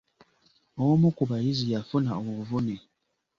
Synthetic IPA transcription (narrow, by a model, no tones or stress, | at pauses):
ɔmɔkubajizijafunaɔvonɛ